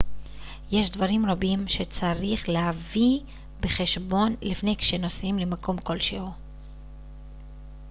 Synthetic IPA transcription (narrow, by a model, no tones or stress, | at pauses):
je̞ʃdvaʁimʁabimʃe̞t͡saʁiχlehavi | be̞χe̞ʃbo̞nlifne̞jkʃeno̞simlemako̞mko̞lʃeho